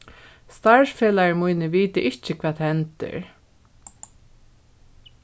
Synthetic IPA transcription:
st̪aɹfeːlajɪmujnɪʋiːt̪ɪʔɪht͡ʃɪkʰvaːt̪hɛnt̪ɪ̰ɹ

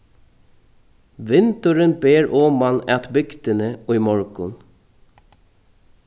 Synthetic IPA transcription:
ʋɪnt̪əɹənbeːɹʔɔːmɑnɛːt̪bʏɡt̪ənəiːmɔɹkʊn

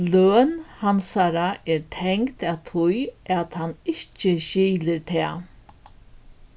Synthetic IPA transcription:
lœːnhansaɾaʔɛɾt̪ʰɛŋkt̪at̪ʰʊjat̪hanːɪht͡ʃəɕiːlɪɾt̪ʰɛː

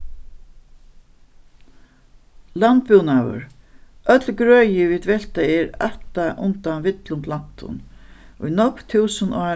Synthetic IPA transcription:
lant̪̚pʏwnawʏ̰ɾ | œt̪lɡɾœːjɪviːd̪vɛlt̪aɛɹa̰ht̪aʔʊnt̪anvɪt̪lʊnt̪lan̥t̪ʊ̰nʊjnɔkt̪ʰuːsənɔː

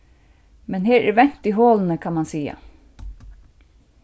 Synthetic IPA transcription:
mɛnɦeːɾʔæ̰ɾʋɛn̥t̪iɦoːlənəkʰamansiːa̰

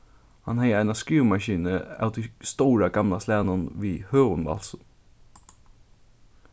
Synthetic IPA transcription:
hɑnhɛɪæɪnaskɹiːmɑʃiːnəæ̰ʊt̪ist̪oːɾaɡɑmlaslæːnənʋiːhøːʁʊnʋɑ̰ls

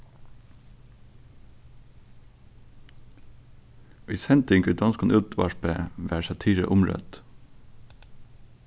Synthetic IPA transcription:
ʔɪshɛnt̪ɪŋɡʉd̪ɑnskɑnʔʉt̪ʋɑ̰ʃpəʋæːsɑt̪ʰiːɹə̰ʔʊmɹœ̰t̪

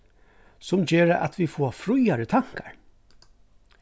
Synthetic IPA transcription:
sʊmd͡ʒeːɾəʔa̰t̪ʰʋifoːfɾʊjaɾət̪ʰaŋ̥kaɹ

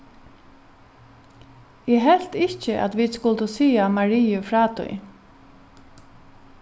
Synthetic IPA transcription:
jɛɦɛl̥t̪ɪht͡ʃɪʔa̰t̪ʋid̪skʊlt̪ʊsiːamaɹiːʊfɾaːt̪ʊ̰j

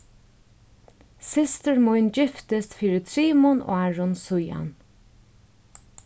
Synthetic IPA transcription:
sɪst̪əɹmʊjnd͡ʒɪft̪əst̪fiːɾət̪ʰɾiːmʊno̰aɹʊnsʊja̰n

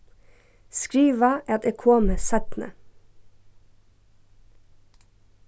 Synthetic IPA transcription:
skɾiːʋɑʔɛt̪eːkʰoːməsɛt̪nə̰

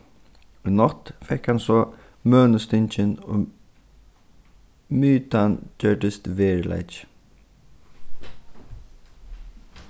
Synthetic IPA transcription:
nɔt̪fɛkhansɔ | mœːnəst̪ɪnt͡ʃɪnɔ̰ | myːt̪and͡ʒœɖɪst̪ʋeːɹla̰ɪt͡ʃ

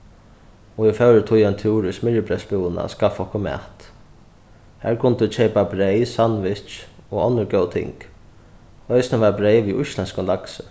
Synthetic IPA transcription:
ɔɪfœwɾət̪ʰʊjant̪ʰuːɾʏsmɪɻəpʰɾɛsbuwəna̰skafɔhkʊmɛ̰ːht̪ | hæːɾkʰʊnt̪ʊt͡ʃʰɛːpabɾejsanʋɪt͡ʃɔɔnːəɾɡœwt̪ʰɪ̰ŋk | œjsnaʋabɾejʋiʔʊʃlɛnskʊnlaksə

